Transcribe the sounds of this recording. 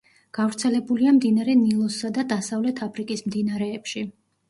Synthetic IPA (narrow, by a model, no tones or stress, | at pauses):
ɡ̥avɾt̪sʰɛlɛbuliamd̪inaɾɛnilˠɔsːad̪ad̪asavlɛt̪ʰapʰɾikʼismd̪inaɾɛːpʃi